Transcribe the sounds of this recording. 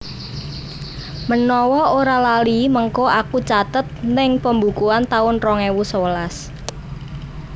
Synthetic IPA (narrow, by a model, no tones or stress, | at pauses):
mənɔwɔoɾalaliməŋkoʔakut͡ʃat̪ət̪̚nɪŋpəmbukuant̪aʊnrɔŋewusowəlas